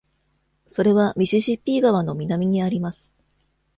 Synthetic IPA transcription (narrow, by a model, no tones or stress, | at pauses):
so̞ɾe̞βamʲiɕiʑipʲːiːɡaβano̞mʲinamʲiɲ̟iaɾʲimasɨ̥